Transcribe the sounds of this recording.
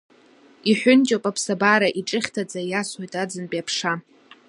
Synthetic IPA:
iħʷᶣʊnt͡ʃʼopʼapʰsabaɾaʔiʈ͡ʂʼɨχʲtʰad͡zajasojtʼad͡zɨnpʼjapʰʂa

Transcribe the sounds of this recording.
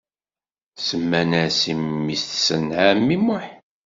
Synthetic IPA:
səmːænæsimːisθsənʕamːiməħ

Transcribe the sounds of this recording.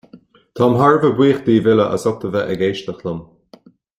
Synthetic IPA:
t̪ʰɔmɦaɹvəbwiːxd̪iːvɪləʔə̰sɔk̚t̪əvɛʔəɡeːʃt̪əxləm

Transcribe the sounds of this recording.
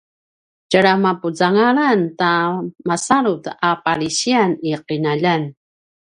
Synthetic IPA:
d͡ʒaɾamapud͡zaŋaɭantamasaɾutapaɾiɕianiqinaʎan

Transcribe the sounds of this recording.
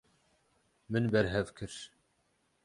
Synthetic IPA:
mɨnbɛɾɦɛvkʰɨɾ

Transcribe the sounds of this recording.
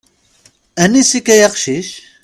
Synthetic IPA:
ænisikːæjɑqʃiʃ

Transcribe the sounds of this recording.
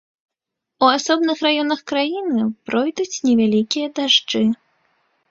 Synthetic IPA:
uasɔbnɨxrajɔnɐxkɾajinɨpɾɔjd̪ut͡sʲnʲɛvʲalʲikʲijɐd̪aʐd͡ʐɨ

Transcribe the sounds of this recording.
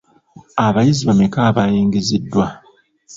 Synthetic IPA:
aβajiziβamekaːβajiːŋɡizidːwa

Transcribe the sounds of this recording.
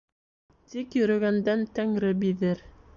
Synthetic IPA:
t̪ikjɵ̆ɾɵ̆ɡænd̪ænt̪æŋɾɘbiðɘɾ

